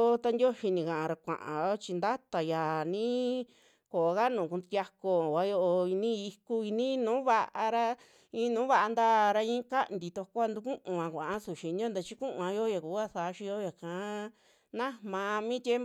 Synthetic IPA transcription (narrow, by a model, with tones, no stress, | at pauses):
t̪a˧ndʲo˦ʃi˧nĩ˨kã˨ʔã˧ɾa˧kʷã̰˨ʔã̰˨jo˦t͡ʃi˧nd̪a˦t̪a˨ja˨nĩ˦ | ko˨˧ka˦nũː˨kũ˧t̪ʲja˧ko˧˨ka˦jo˧ʔo˧i˧nĩ˦i˧ku˦i˧nĩ˦nũː˨˦βa˧ʔa˧ɾa˧ | ĩ˧˦nũː˨˦βa˧ʔa˧nd̪aː˦˧˨ɾa˧ĩ˦ka˦˧nd̪i˧t̪o˧kʷa˧nd̪u˧kũ˦ʔũ˧ã˧kʷã˨ʔa˦su˧˨ʃi˧nĩ˦o˦nd̪a˧t͡ʃi˦kũ˦ʔã˧jo˦ja˨kuː˨˦a˦θa˨˧˦ʃi˧jo˦ja˨kã˨˦ | nã˦mã˧mĩ˦t̪ʲe˦m